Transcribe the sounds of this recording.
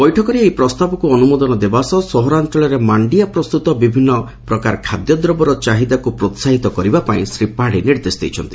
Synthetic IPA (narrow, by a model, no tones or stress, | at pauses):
bɔjʈʰɔkɔɾiejpɾɔst̪abɔkuɔnumɔd̪ɔnɔd̪ebasɔsɔɦɔɾant͡ʃɔɭɔɾemaɳɖiapɾɔst̪ut̪ɔbibʱinːɔ | pɾɔkaɾkʰad̪jɔd̪ɾɔbɔɾɔt͡ʃaɦid̪akupɾot̪saɦit̪ɔkɔɾibapaĩsɾipaɽiniɾd̪esd̪ejt͡ʃʰɔnt̪i̥